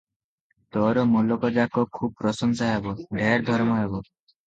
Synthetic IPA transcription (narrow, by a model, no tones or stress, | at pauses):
t̪ɔɾɔmolɔkɔd͡ʒakɔkʰub̚pɾɔsɔnsɔɦebɔɖʱeɾd̪ʱɔɾmɔɦebɔ